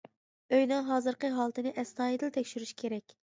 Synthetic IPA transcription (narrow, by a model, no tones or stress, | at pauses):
øjnɨŋɦɑːzɨɾqəɦɑlˠt̪ʰɨnɪʔɛst̪ɑːid̪ɪlt̪ʰɛkʲʃyɾyʃkʲʰeɾɛkʲ